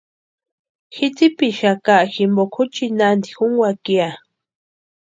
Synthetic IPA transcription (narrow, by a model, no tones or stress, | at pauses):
xit͡sipiʃakaʔximbokʰut͡ʃinand̪ixuŋwakia